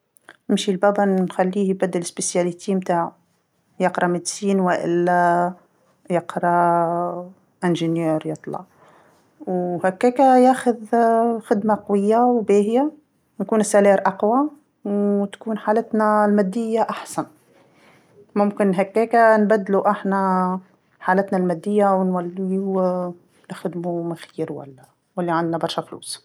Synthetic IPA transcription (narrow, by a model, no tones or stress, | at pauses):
nɪmʃilbæbænxælːiːjbæd̪ːəlɪsbɪsjælit̪ʰimt̪aːʕ | jɑqɾˤɑmɪd̪siːnwɪʔɪ̰lːæ | jɑqɾˤɑ | ʔɪnʒənjɛːɾjɑt̪ˤlɑ̰ʕ | whækːæːkajæːxʊðxɪd̪maqwɪjːawbeːɦja | nkuːnɪsːælɛːɾʔɑqwa | wt̪kuːnħaːlət̪nalmæd̪ːɪjːaʔaħsan | mʊmkɪnɦækːæːkanbæd̪ːluʔaħnæ | ħaːlɪt̪nalmæd̪ːɪjːawnwælːi | nɪxɪd̪mumaxiːɾwæ̰lːæ | wɪlːiʕand̪nabɑɾˤʃaflṵːs